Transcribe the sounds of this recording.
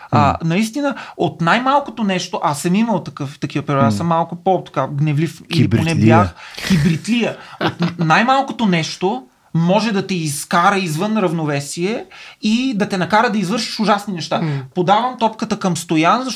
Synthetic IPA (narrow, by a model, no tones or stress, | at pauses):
ə̰nɐist̪inəot̪najmalˠkot̪onɛʃt̪oʔasəmiməlˠt̪ɐkɤft̪ɐkivɐpɛɾasəmːalˠkʊpot̪ɐ̥kaɡnɛvlifiliponɛbjaxxibɾit̪lijəot̪najmalˠkot̪onɛʃt̪o | mɔʒɛd̪ɐt̪ɛiskaɾəizvɤnɾɐvnovɛsiɛid̪ɐt̪ɛnɐkaɾəd̪ɐizvɤɾʃi̥ʃʊʒasninɛʃt̪apod̪avɐmt̪ɔpkət̪əkɐmst̪ojanzɐʃ